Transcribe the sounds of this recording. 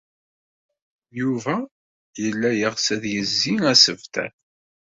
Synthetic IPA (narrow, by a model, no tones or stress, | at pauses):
juvæ | jəlːæjəʁsæðjəzːiŋæsəvt̪æ̰θ